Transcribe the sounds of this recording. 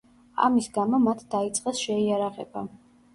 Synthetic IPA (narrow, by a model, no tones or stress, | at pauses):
a̰misɡamɔmat̪ʰd̪̥ait̪sʼqʼɛsʃɛiaɾaʁɛ̰ba̰